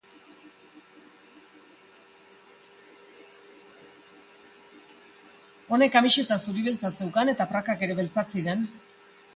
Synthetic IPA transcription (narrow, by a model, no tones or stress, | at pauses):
o̞ne̞kamiʃe̞t̪asuɾiβilt͡sase̞wkane̞t̪apɾakake̞ɾe̞βe̞lt͡sat͡siɾen